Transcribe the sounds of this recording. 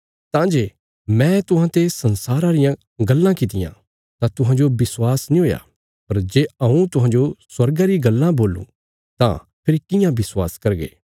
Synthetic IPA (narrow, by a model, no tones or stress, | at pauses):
t̪ãːd͡ʒeː | mɛ̃t̪ʊɦãt̪esɐnsaːɾãɾɪjã | ɡɐlːãkɪt̪̬ɪjã̰ | t̪ãt̪ʊɦãːd͡ʒobɪswaːsnĩɦoːja̰ | pɐɾd͡ʒeːɐũt̪ʊɦãːd͡ʒoswɐɾɡaɾiɡɐlːãboːlṵ̃ | t̪ã̰ | pʰɪɾikɪjãbɪswa̰ːskɐɾɡḛː